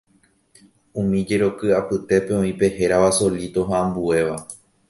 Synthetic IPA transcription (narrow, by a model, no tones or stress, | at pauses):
ũmĩd͡ʒe̞ɾo̞kɨapɨt̪e̞pe̞õĩpe̞he̞ɾaʋaso̞lit̪o̞ɦaãmbue̞ʋa